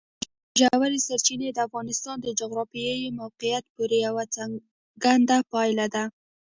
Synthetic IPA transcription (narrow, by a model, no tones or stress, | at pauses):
ʒawaɾisaɾt͡ʃined̪əafɣɑnɪst̪ɑnd̪əd͡ʒʊɣɾɑfijəjmawqijat̪pəɾjawat͡sa | ɡand̪apɑjlad̪a